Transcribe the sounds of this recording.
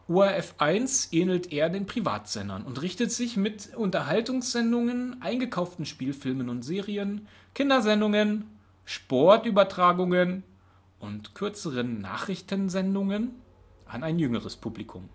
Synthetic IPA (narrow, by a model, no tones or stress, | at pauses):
ʔuːaɛfʔaɪnsʔeːnl̩tʰʔeːɐdeːnpʁ̥iva̰ːtz̥ɛnɐ̰nʊntʁɪçtətz̥ɪçmɪtʔʊntɐɦaltʊŋsz̥ɛndʊŋənʔaɪnɡəkʰaʊftn̩ʃpiːlfɪlmənʊntz̥eːʁiən | kʰɪndɐzɛndʊŋən | ʃpɔɐtʔyːbɐtʁ̥aːɡʊŋən | ʔʊntkʰʏɐt͡səʁənːa̰ːχʁ̥ɪçtən̩zɛndʊŋən | ʔa̰naɪnjʏŋəʁəspʰuːblikʰʊm